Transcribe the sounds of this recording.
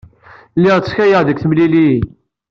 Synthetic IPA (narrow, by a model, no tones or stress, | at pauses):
lːɪʁt͡sːçæjəʁðəkʷθəmlili